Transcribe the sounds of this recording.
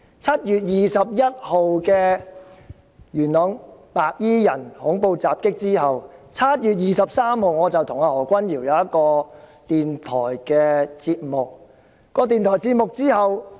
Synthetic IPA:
t͡sʰɐ˥t̚jyː˨˩t̚jiː˨˩sɐ˨p̚jɐ˥t̚ho˨wkɛː˧ | jyː˨˩nnɔː˨˥ŋpaː˨k̚jiː˥jɐ˨˩nhʊ˨˥ŋpo˧wt͡saː˨p̚kɪ˥k̚t͡siː˥ɦɐ˨wt͡sʰɐ˥t̚jyː˨t̬̚jiː˨sɐ˨p̚saː˥mho˨wŋɔː˨˧t͡sɐ˨wt̪ʰʊ˨˩ŋaː˧hɔː˨˩kʷɐ˥njiː˨˩wjɐ˨˧wjɐ˥t̚kɔː˧t̪iː˨˩nt̪ʰɔː˨˩jkɛː˧t͡siː˧t̚mʊ˨k̚ː | ɔː˧t̪̬iː˨˩nt̪ʰɔː˨˩jt͡siː˧t̚mʊ˨k̚t͡siː˥hɐ˨w

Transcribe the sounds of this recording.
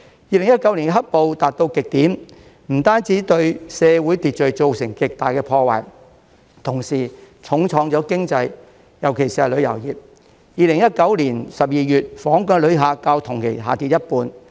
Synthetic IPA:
jiː˧lɪ˨˩ŋjɐ˥t̚kɐ˨˥wli˨˩kɛ˧ɦɐ˥t̚po˨wt̪aː˨t̚t̪o˧wkɪ˨k̚t̪iː˨˥m | m̩˨˩t̪aː˥nt͡siː˨˥t̪ɵ˧ɥsɛː˨˧wuː˨˥jt̪iː˨t̚t͡ʃɵ˨˧ɥt͡so˨˧wsɪ˨˩ŋkɪ˨k̚t̪aː˨˩jkɛː˧pʰɔː˧wa̰ː˨˩j | t̪ʰʊ˨˩ŋsiː˨˩t͡sʰʊ˨˥ŋt͡sʰɔː˨˥ŋt͡sɔː˨˥kɪ˥ŋt͡sɐ˧j | jɐ˨˩wkʰe˨˩jsiː˧˩ɐ˨˩lɵ˨˧ɥjɐ˨˩wjiː˨p̚ | jiː˨˧lɪ˨˩ŋjɐ˥t̚kɐ˨˥wliː˨˩nsɐ˨p̚jiː˨˧jyː˨t̚fɔː˨˥ŋkœː˧lɵ˨˧ɥɦaː˨˧kaː˧wt̪ʰʊ˨˩ŋkʰḛ˨˩jɦa̰ː˨˩t̪iː˨t̚jɐ˥t̚puː˧n

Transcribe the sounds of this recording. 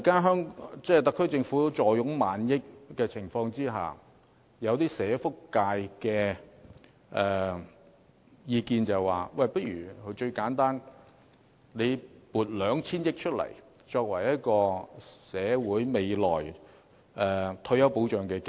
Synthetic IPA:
kaː˥ɦœː˥ŋt͡sɛː˥t̪ɐ˨kʰːɵ˥t͡sɪ˧ŋfuː˨˥t͡ʃɔː˨˩jʊ˨˥ŋmaː˨njɪ˥k̚ːɛː˧t͡sʰɪ˨˩ŋfɔː˧ŋt͡siː˥ɦa̰ː˨˩ | jɐ˨˧wt̪̬iː˥sɛː˨˧˥fʊ˥kːaː˧jkɛː˧ | ʔɛː˨ | jiː˧kiː˧nt͡sɐ˨wwa̰ː˨˩wɐ˧˨jpɐ˥t̚ɥy̰ː˨˩kʰɵ˨˧˥t͡ʃɵ˧ɥkaː˨˥nt̪aː˥n | ne˨˧jpuː˨t̚lœː˨˧ŋt͡sʰiː˥njɪ˥k̚t͡ʃʰɵ˥t̚lɐ̰˨˩j | t͡ʃɔː˧k̚wɐ˨˩jjɐ˥t̚kɔː˧sɛː˨˧˥wuː˨˥jme˨˧jlɔ̰ː˨˩j | ʔɛː˨t̪ʰɵ˧ɥjɐ˨˥wpo˨˥wt͡ʃœː˨˩ŋkɛː˧k

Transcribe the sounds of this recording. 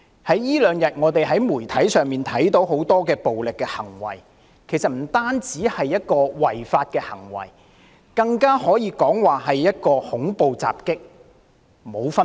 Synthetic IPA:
hɐ˨˥jːiː˥lœː˨ŋjɐ˨t̚ŋɔː˨˧t̪e˨jɦɐ˨˥jmuː˨˩jt̪ʰɐ˨˥jsœː˨ŋmiː˨nt̪ʰɐ˨˥jt̪o˨˥wɦo˨˥wt̪ɔː˥kɛː˧po˨wlɪ˨kːɛː˧hɐ̰˨˩ŋwɐ̰˨˩j | kʰe˨˩jsɐ˨t̚m̩˨˩t̪aː˥nt͡siː˨˥hɐ˨jːɐ˥t̚kɔː˧wɐ˨˩jfaː˧t̚kɛː˧hɐ˨˩ŋwɐ̰˨˩j | kɐ˧ŋkaː˥hɔː˨˥jiː˨˧kɔː˨˥ŋwaː˨ɦɐ˨jːɐ˥t̚kɔː˧hʊ˨˥ŋpo˨wt͡sa̰ː˨p̚kɪ˥k̚ | mo˨˧wfɐ˥

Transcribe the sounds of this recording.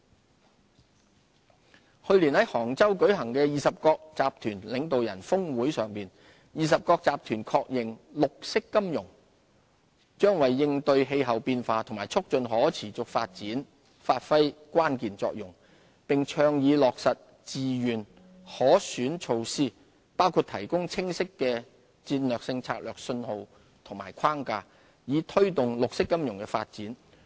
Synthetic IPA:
hɵ˧ɥliː˨˩nhɐ˨˥jhɔː˨˩ŋt͡sɐ˥wkɵ˨˥ɥɦɐ˨˩ŋkɛː˧jiː˨sɐ˨p̚kɔː˧k̚t͡saː˨˧p̚t̪ʰyː˨˩nlɪ˨˧ŋt̪o˨wjɐ̰˨˩nfʊ˥ŋwuː˨˥jsœː˨˩ŋpiː˨n | jiː˨˩s̬ɐ˨p̚kɔː˧k̚t͡saː˨p̚t̪ʰyː˨˩nkʰɔː˧k̚jɪ˨˩ŋlʊ˨k̚sɪ˥kːɐ˥mjʊ˨˩ŋ | t͡ʃœː˥ŋwɐ˨jːɪ˧ŋt̪ɵ˧ɥɦe˧jɦɐ˨wpiː˧nfaː˧t̪ʰŋmaː˨˩jt͡sʰʊ˥k̚t͡ʃɵ˨˧nɦɔː˨˥t͡sʰiː˨˩t͡sʊ˨k̚fa̰ː˧t̚t͡siː˨˥n | faː˧t̚fɐ˥jkwaː˥nkiː˨nt͡sɔ̰ː˧k̚jʊ˨˩ŋ | pɪ˨ŋt͡ʃʰœː˧ŋjiː˨˧lɔː˨k̚sɐ˨t̚ | t͡siː˨jyː˨˩n | hɔː˨˥syː˨˥nt͡ʃʰo˧wsiː˥ | paː˥wkʰuː˧t̚t̪ʰɐ˨˩jkʊ˥ŋt͡sʰɪ˥ŋsɪ˥kːɛː˧ | t͡siː˧nlœː˨˩k̚sɪ˧ŋt͡sʰa̰ː˧k̚lœː˨˩k̚sɵ˧nho˨w | t̪ʰʊ˨˩ŋmaː˨˩jkʰaː˥ŋkaː˧ | jiː˨˧t̪ʰɵ˥ɥt̪ʊ˨ŋlʊ˨k̚sɪ˥kːɐ˥mjʊ˨˩ŋkɛ˧fa̰ː˧t̚t͡siː˨˥n

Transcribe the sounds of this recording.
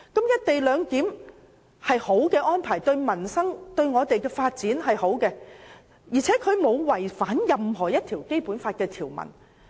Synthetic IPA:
kɐ˨˥mjɐ˥t̚t̪e˨jlœː˨˧ŋt̪iː˨˥m | hɐ˨jho˨˥wkɛː˧ʔɔː˥npʰaː˨˩jt̪ɵ˧ɥmɐ˨˩nsɐ˥ŋt̪ɵ˧ɥŋɔː˨˧t̪e˨jkɛː˧faː˧t̚t͡siː˨˥nhɐ˨jho˨˥wkɛː˧ | jiː˨˩t͡sʰɛː˨˥kʰɵ˨˧ɥmo˨˧wwɐ˨˩jfaː˨˥njɐ˨mɦɔː˨˩jɐ˥t̚t̪ʰiː˨˩wke˥jpuː˨˥nfaː˧t̚kɛː˧t̪ʰiː˨˩wmɐ̰˨˩n

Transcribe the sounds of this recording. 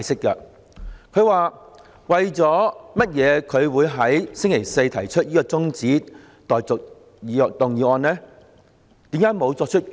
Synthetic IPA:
jsɪ˥k̚kːɛ˧ | kʰɵ˨˧ɥwaː˨ | wɐ˨jt͡sɔː˨˥mɐ˥t̚jɛː˨˧kʰɵ˨˧ɥwuː˨˧jɦɐ˨˥jsɪ˥ŋkʰe˨˩jse˧jt̪ʰɐ˨˩jt͡ʃʰɵ˥t̚jiː˥kɔː˧t͡sʊ˥ŋt͡siː˨˥ | t̪ɔː˨jt͡sʊ˨k̚ | i˨˧t̪ʊ˨ŋjiː˨˧ɔː˧nɛː˥ | t̪iː˨˥mkaː˧˥jmo˨˧wt͡sɔː˧k̚t͡ʃʰɵ˥t̚

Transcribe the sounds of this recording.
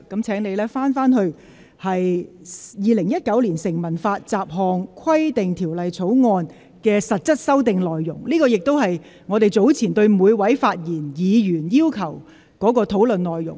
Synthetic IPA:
kɐ˨˥mt͡sʰɛː˨˥ŋne˨˧jlɛː˥faː˥nfaː˥nhɵ˧ɥ | hɐ˨j | jiː˨˧lɪ˨˩ŋjɐ˥t̚kɐ˨˥wliː˨˩nsɪ˨˩ŋmɐ˨˩nfaː˧t̚t͡saː˨˧p̚ɦɔː˨˧ŋkʰɐ˥jt̪ɪ˨ŋt̪ʰiː˨˩wlɐ˨jt͡sʰo˨˥wŋɔː˧n | kɛː˧sɐ˨t̚t͡sɐ˥t̚sɐ˥wt̪ɪ˨˧ŋlɔː˨jːʊ˨˩ŋliː˥kɔː˧jɪ˨k̚t̪o˥wɦɐ˨j | ŋɔː˨˧t̪e˨jt͡so˨˥wt͡sʰiː˨˩nt̪ɵ˧ɥmuː˨˧jwɐ˨˥jfaː˧t̚jiː˨˩njiː˨˧jyː˨˩njiː˥wkʰɐ˨˩w | kɔː˨˥k̬ɔː˧t̪ʰo˨˥wlɵ˨nlɔː˨jjʊ̰˨˩ŋ

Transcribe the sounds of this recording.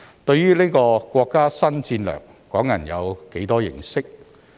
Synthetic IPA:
t̪ɵ˧ɥɥyː˥le˥kɔː˧kʷɔː˧kːaː˥sɐ˥nt͡siː˧nlœ̰ː˨˩ŋ | kɔː˨˥ŋjɐ˨˩njɐ̰˨˧wke˨˥jt̪ɔː˥jɪ̰˨˩ŋsɪ˥k̚

